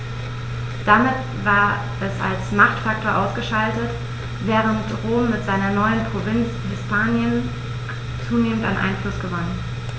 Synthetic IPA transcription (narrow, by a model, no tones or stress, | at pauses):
d̥amɪt | vaːɐ | ʔɛsa̰lsmaχtfak̚tʰoːɐʔaʊsɡ̥əʃaltət | vɛːʁ̞əntʁoːmːɪtz̥aɪnɐnɔʏənpʁ̥ovɪnt͡shɪspʰaːnjən | t͡suːneːmən̩ta̰nʔa̰ɪnflʊsɡ̥əvɔnən